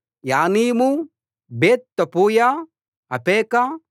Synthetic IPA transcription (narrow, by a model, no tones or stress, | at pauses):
jaːniːmu | beːt̪t̪ːɐpuːjaː | ɐpeːka